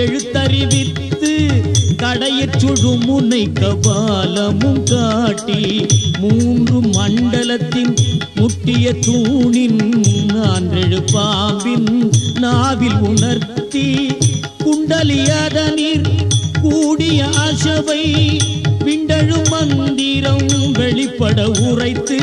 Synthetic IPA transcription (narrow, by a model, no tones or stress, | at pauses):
ɛɻɯt̪ːɐɾɪʋɪt̪ːɯk̪ɐɽɐjɐt͡ʃːɔɻɯmʊnɐɪkːɐpalɐmɯmkaːʈːimuːndrɯmɐɳɖɐlɐt̪ːɪn | mʊʈːɪjɐt̪uːɳɪnnaːndrɛɻɯpːaːmbɪnːaːʋɪlʊnɐɾt̪ːi | kʊɳɖɐlɪjaːðɐniːɾkuːɽɪjɐʔɐsɐʋɐɪ | ʋɪɳɖɐɻɯmɐnd̪ɪɾɐmʋɛɭɪpːɐɽɐʊrɐɪt̪ːɯ